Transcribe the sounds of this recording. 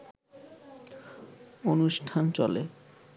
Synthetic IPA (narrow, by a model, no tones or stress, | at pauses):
onuʃʈʰant͡ɕɔle